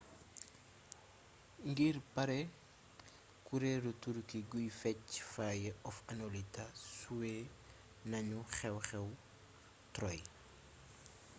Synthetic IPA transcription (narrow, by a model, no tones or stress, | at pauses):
ŋɡiːrpɐɾɛ | kuɾɛɾutuɾkiɡujfɛcfaːjɛʔɔfɐnolitasuwe | nɐɲuχɛwxɛw | tɾɔj